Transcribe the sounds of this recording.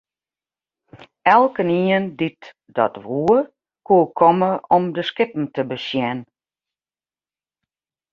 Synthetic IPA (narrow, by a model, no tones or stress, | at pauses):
ɛlˠkəniəndit | dɔ̰tʋuə | kuəkʰɔməʔɔmdəskɪpn̩təbəsjɛn